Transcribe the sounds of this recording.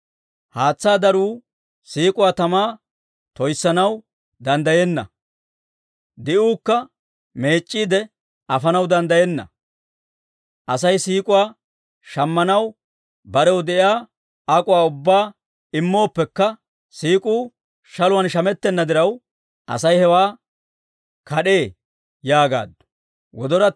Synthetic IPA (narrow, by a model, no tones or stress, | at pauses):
haːt͡sːaːd̪ɐɾuː | siːkʼʊwaːt̪ɐmaː | t̪ɔjsːɐnɐw | d̪ɐnd̪ɐjeːnːɐ̰ | d̪ɪʔuːkːɐ | me̞ːt͡ʃʼːiːd̪ɛ | ɐfɐnɐwd̪ɐnd̪ɐjɛnːɐ̰ | ʔɐsɐjsiːkʼʊwaː | ʃɐmːɐnɐw | bɐɾɛwd̪ɛʔɪaː | ɐkʼʊwaːʊbːaː | ɪmːo̞ːpːɛkːɐ | siːkʼuː | ʃɐlʊwɐnʃɐmɛt̪ːɛnːɐd̪ɪɾɐw | ʔɐ̰sɐjhɛwaː | kʰɐɗe̞ː | jaːɡa̰ːd̪ːʊ̥ | wɔd̪ɔɾɐ